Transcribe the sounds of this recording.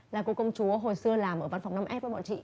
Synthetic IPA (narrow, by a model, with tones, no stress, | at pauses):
laː˨˩ku˧˦kə˧wŋ͡mt͡ɕu˨˦əɦo˨˩jsɨ˧əlaː˨˩mʔəː˧˩va˧nfa˨˩wŋ͡mna˧mʔɛ˦˥p̚və˨˦ɓɔ̰˧˨nt͡ɕḭ˧˨